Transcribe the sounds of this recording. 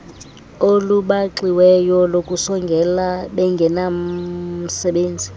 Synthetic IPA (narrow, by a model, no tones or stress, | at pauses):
oluɓaǁiwɛjɔlokʼusɔŋɡʱɛlaɓɛŋɡʱɛna | sɛɓeːnd͡zʱi